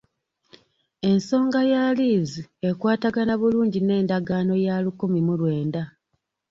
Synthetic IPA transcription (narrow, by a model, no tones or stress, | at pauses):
e̞nso̞ːŋɡajaliːzie̞kwaːtaɡanaβuluːɲɟine̞ːndaɡaːno̞jalukomimulwe̞ːnda